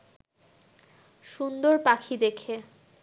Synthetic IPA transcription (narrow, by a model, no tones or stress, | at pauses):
ʃund̪oɾpakʰid̪ekʰe